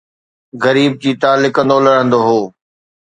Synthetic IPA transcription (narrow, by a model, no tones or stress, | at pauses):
ɣɐɾiːb̚d͡ʑiːt̪aːlːɪkə̃nd̪olɐɽ̤ə̃nd̪oɦoː